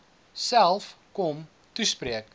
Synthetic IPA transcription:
sælˠfkɔm | tuspriək

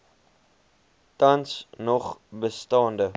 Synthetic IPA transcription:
tɐnsnɔχbəstɑːndə

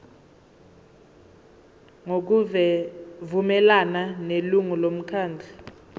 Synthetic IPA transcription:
ŋok̬uvɛvumɛlananeluŋulom̩kʰaːnd͡ɮʱi̥

